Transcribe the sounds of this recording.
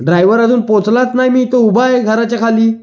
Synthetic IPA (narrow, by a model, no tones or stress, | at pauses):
ɖɾajʋəɾad̪uːnpõt͡slat̪najmiːt̪əubajɡʱəɾat͡ɕjakʰaliː